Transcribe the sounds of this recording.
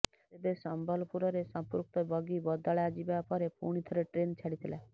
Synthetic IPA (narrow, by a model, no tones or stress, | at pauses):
t̪ebesɔmbəlpuɾɔɾesɔ̃mpuɾk̚t̪ɔbɔɡibɔd̪aɭjad͡ʒibapɔɾepṵɽ̃it̪ʰɔɾeʈɾeːnt͡ʃʰaɽit̪ʰila